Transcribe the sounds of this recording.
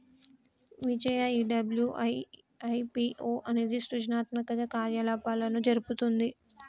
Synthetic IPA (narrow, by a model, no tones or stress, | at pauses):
ʋid͡ʒɐjɐiɖɐbljuʔɐ | ɐjpiʔoːʔɐne̞ːd̪iʃɾud͡ʒnaːt̪mɐkɐd̪ɐkaːɾjɐlaːpaːlɐnud͡ʒɐɾuput̪und̪i